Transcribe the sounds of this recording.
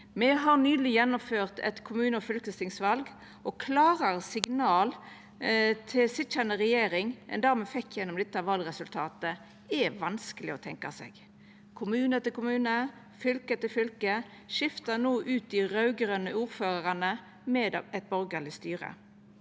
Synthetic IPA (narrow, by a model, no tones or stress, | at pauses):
mɛɦɑʁnyːlɪjɛnːʊmføːʁt̪ʰɛ̰t̪kʰʊmʉːnəɔfʏlkəst̪ɪŋsʋɑlɡ | ʔɔkʰlɑːʁɑʁsɪɡnɑːl | t̪ʰɪsɪt̪t͡ʃənəʁɛjeːɾɪŋʔɛ̰nd̪æːʁmɛfɛkːjɛnːɔmd̪ɛt̪ːɑʋɑːlʁɛsʉlt̪ʰɑːt̪ə | ɛʋɑnskəlɪɔt̪ʰɛŋkɑ̰sɛ̰ɡ | kʰʊmʉːnət̪ɪlkʊmʉːnə | fʏlkət̪ɪlfʏlkə | ʃɪft̪ɑnoːʔʉːt̪̚ɪɾɑʉɡɾœnəuːʁføːʁəʁɑnə | mɛd̪ɛt̪̚bɔɾɡəlɪst̪yːɾə̰